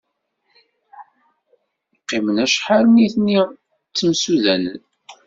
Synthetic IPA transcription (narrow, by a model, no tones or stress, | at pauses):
qːɪmənæʃħaɾniθni | t͡sːəmsuðænə̰n